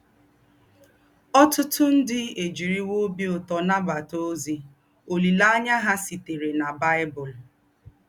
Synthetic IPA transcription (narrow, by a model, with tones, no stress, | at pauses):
ɔ˦tʊ˦tʊ˦n̩˦dɪ˦e˨d͡ʒi˨ɾi˦wo˦bi˦o˨tɔ˨na˦ba˨to˦zi˦ | o˨li˨la˦ɲa˦ɦa˦si˨te˨ɾe˨na˨ba˦ɪ˦bʊ˨l